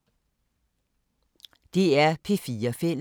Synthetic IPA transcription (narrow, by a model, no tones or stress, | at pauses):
d̪̥e̝æɐpʰefiːɐfel